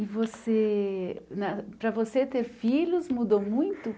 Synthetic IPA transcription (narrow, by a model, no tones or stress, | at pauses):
ɪvose | nɐpɾɐvoset̪eɾfiʎʲʊzmud̪omũj̃t̪ʊ